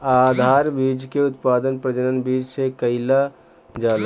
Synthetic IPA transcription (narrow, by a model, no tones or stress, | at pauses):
ad̪ʱaɾbid͡ʒkeut̪pad̪ənpɾəd͡ʒənənbid͡ʒsekəɪla | d͡ʒal